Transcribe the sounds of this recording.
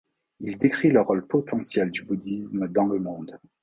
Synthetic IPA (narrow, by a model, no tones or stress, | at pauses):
ild̪ekχiləʁɔlpɔt̪ɑ̃sjɛld̪ybud̪ismd̪ɑ̃ləmɔ̃d̪